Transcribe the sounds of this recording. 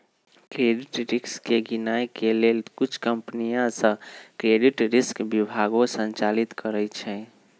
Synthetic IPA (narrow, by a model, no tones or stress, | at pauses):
kɾeɖiʈɾikskeɡinajkelelkut͡ʃʰkəmpənijãsə̃kɾeɖiʈɾiskbibʱaɡõsə̃nt͡ʃalit̪kəɾɛt͡ʃʰɛ̃